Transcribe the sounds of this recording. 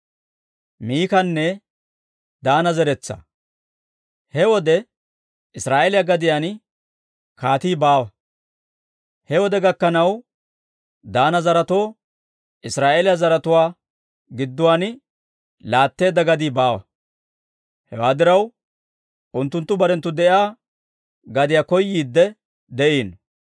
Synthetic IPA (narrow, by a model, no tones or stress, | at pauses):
miːkɐnːɛ | d̪aːnɐzɛɾɛt͡sːɐ̰ | hɛwɔd̪ɛ | ɪsɾaːʔeːlɪjaɡɐd̪ɪjan | kaːt̪iːbaːwɐ | hɛwɔd̪ɛɡɐkːɐnɐw | d̪aːnɐzɐɾɐt̪oː | ʔɪsɾaːʔeːlɪjazɐɾɐt̪ʊwaː | ɡɪd̪ːʊwaːn | laːt̪ːe̞ːd̪ːɐɡɐd̪iːbaːwɐ̰ | hɛ̰waːd̪ɪɾɐw | ʔʊnt̪ːʊnt̪ːʊbɐɾɛnt̪ːʊd̪ɛʔɪaː | ɡɐd̪ɪjakɔjːiːd̪ːɛ | d̪ɛʔiːn